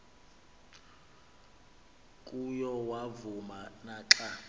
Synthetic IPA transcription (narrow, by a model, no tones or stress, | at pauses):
kʼujɔwavumanaːǁa